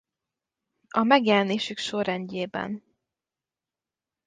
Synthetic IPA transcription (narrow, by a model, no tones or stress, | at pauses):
ɒmɛɡjɛlɛneːʃykʃorɛɲɟeːbɛ̰n